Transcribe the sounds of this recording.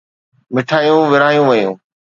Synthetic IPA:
mɪʈʰaːjũʋɪɾaːjũʋɐjṵ̃ː

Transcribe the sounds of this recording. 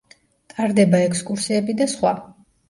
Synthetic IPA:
t̪ʼaɾd̪ɛbaɛkskʼuɾsiɛbid̪asχwa

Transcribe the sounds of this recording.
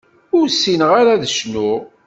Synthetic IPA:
ʊɾsːinʁaɾaðəʃnʊ

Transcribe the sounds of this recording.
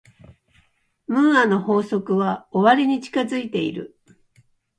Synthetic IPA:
mɯ̟̃ɰano̞ho̞ːso̞kɯ̟βao̞βaɾʲiɲ̟it͡ɕi̥kazɨit̪e̞ḭɾɯ̟̰

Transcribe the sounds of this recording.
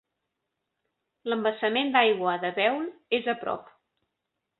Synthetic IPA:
ləmbəsəmend̪ajɣwəðəβɛwlezəpɾɔ̰p

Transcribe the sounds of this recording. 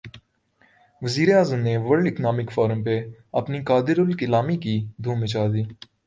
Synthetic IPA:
ʋəziːɾeaːzəmneʋəɾɖɪknaːmɪkfɔːɾə̃mpeɐpnikaːd̪ɪɾʊlkɪlaːmikid̪ʱuːmɪt͡ʃaːd̪iː

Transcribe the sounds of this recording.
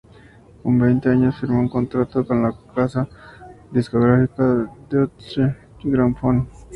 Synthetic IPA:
kombejnt̪eaɲosfiɾmouŋkont̪ɾat̪okonlakasa | d̪iskoɣɾafikad̪eot͡ʃe | iɡɾamfon

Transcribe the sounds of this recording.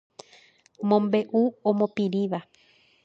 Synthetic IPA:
mõmbe̞ʔuõmõpĩɾĩʋa

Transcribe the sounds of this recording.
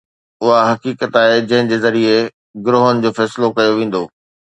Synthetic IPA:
ʊɦaɦɐkiːkət̪aːɦed͡ʑɐ̃ɦɪ̃d͡ʑeːzɐɾie | ɡɾoːɦənɪ̆d͡ʑoːfɛːsɪlokɐjoʋẽːn̆d̪oː

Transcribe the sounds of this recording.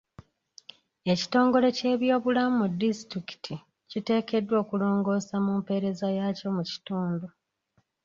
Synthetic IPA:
e̞ci̥to̞ːŋɡo̞le̞ce̞ːβjo̞ːβulamumudːistɾiki̥tʰi | cite̞ːke̞dːwo̞ːkulo̞ːŋɡo̞ːsamumpe̞ɾe̞zajaːco̞muci̥tuːndu

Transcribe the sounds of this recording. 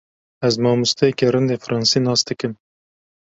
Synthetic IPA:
æzmɑːmust̪ʰekʲeɾɨnd̪efɾʔɑːnsinɑːst̪ɨkɨm

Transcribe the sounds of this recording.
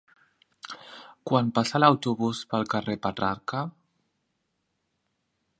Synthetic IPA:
kwanpasalawt̪uβuspəlˠkarepat̪ɾaɾka

